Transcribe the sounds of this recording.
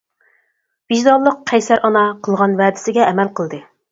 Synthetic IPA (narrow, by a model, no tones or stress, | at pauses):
b̥iʒd̪ɑlˠːəqqʰːɛjsæɾʔɑnɑqʰəlˠʁɑnvæːd̪ɪ̥sɪɡʲɛɛmælqəlˠd̪ɨ